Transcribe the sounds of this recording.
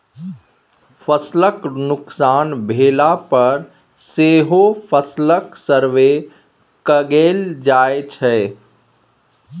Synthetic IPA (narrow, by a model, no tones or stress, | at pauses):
fʰəsləknʊksaːnbʱeːlapɐɾ | seːɦopʰəsləksəɾʋe | kəɡeːld͡ʒaːet͡ʃʰɛ